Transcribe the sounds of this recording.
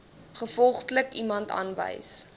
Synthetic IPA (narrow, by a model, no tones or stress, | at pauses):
χəfɔlˠχtləkimɐntɑ̰ːnvə̰js